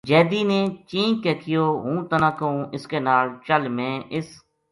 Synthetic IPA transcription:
d͡ʒɛːd̪iːnẽːt͡ʃĩːkeːkʰɪjoːɦũːt̪ənãːkəũːʔɪskeːnaːlt͡ʃəlmẽːʔɪs

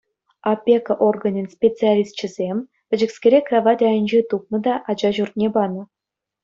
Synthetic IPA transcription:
ɑpʲːekəʔorɡɤ̆nʲɤnʲsʲpʲet͡sɨalʲist̪t͡ɕɘ̆zʲemʲ | ʋʲɘ̆d͡ʑɘ̆ksʲkʲeɾʲekrɑʋɑtʲɑjə̆nʲd͡ʑet̪up̚nɤ̆d̪ɑʔɑd͡ʑɑʑurt̪̚ʲnʲebɑnɤ̆

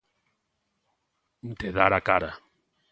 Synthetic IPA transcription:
t̪eðaɾakaɾa

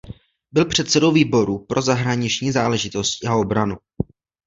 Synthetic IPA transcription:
bɪlpr̝̥ɛt̪sɛdo̞wviːbo̞ɾupɾʔo̞zaɦɾaɲɪt͡ʃɲiːzaːlɛʒɪt̪o̞scao̞bɾanu

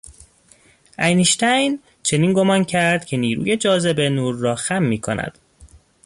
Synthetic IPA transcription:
ʔæjniʃt̪ʰæjn | t͡ʃʰe̞niːnɡo̞mɒːncʰæɾd̪̥cʰe̞niːɾṵːje̞d͡ʒɒːze̞be̞nuːɾːɒːxæmːiːkʰo̞̰næ̰d̪̥

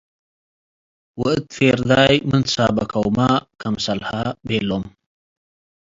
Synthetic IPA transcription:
wəɨt̪feːɾd̪aːjmənsaːbɐkawmakɐmsɐlhabeːlom

